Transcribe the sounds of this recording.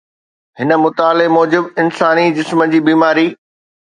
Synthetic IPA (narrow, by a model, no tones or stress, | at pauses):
ɦɪnə̆mʊt̪aːlemɔːd͡ʑɪbɪnsaːnid͡ʑɪsməd͡ʑiːbiːmaːɾiː